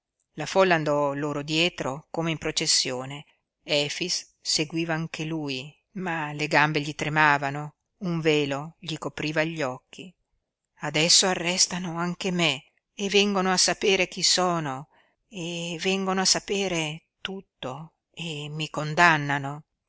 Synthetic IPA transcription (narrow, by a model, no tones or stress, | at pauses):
lafɔlːand̪ɔloːɾod̪jɛːt̪ɾokomeimpɾot͡ʃesːjoːne | ɛːfisː | eɡwiːvaːŋkeluːj | maleɡambeʎit̪ɾemaːvano | uɱveːloʎikopɾiːvaʎːɔkʰːi | ad̪ɛsːoarːɛst̪anoaŋkeme | evɛŋɡonoasːapeːɾek̟isɔːno | evːɛŋɡonoasːapeːɾet̪ut̪ːo | emːikond̪anːano